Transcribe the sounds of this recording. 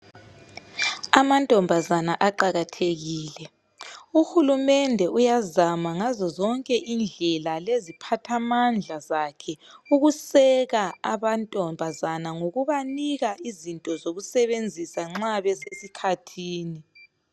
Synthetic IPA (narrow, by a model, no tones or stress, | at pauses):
amantʼɔmbʱazanaʔaǃaɣatʰeɣiːlɛ | uxulumɛndʱɛujazamaŋazɔzɔŋkʼɛʔind͡ɮʱɛlalezipʰatʰamand͡ɮʱazakʰɛuɣusɛɣaaβantʼɔmbʱazanaŋoɣuβaniɣaizintʼɔzoɣusɛβend͡zʱisaŋ͡ǁaβɛsesikʰatʰiːni